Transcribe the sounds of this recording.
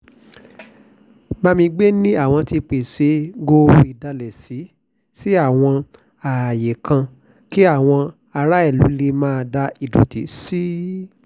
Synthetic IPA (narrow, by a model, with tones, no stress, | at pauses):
mã˦˧mĩ˧ɡ͡be˦nĩ˦a˦˨w̃ɔ̃˧ti˧k͡pe˨se˨˦ɡo˧˨i˨da˧lɛ˨si˨˦ | si˦a˦˨w̃ɔ̃˧ | a˨je˨kʰã˧ | ki˦a˦˨w̃ɔ̃˧ | a˧ɾa˦ɛ˦˨lṵ˨˦le˧mãː˦˧da˧i˨du˨˦ti˨˦si˦